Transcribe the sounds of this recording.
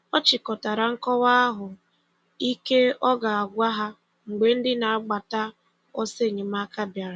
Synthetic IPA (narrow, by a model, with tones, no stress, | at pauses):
ɔ˦t͡ʃɪ˨kɔ˨ta˨ɾa˨ŋ̩˦kɔ˦wa˦a˦ɦʊ˨ | i˦ke˦ɔ˦ɡa˨a˨ɡʷa˦ɦa˦ | ŋ͡m̩˨ɡ͡be˨˦n̩˦dɪ˦na˨a˦ɡ͡ba˨ta˦ | ɔ˦se˦˨ɲe˨ma˦ka˦bja˨ɾa˨